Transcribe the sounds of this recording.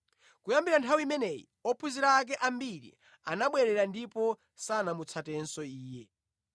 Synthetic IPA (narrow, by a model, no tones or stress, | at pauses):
kujambiɾantʰawimɛnɛjḭ | ɔpʰuziɾaːk̬ɛʔambiɾḭ | anaɓwɛɾɛɾandipɔ | sanamut͡sʰatɛnsɔiːjɛ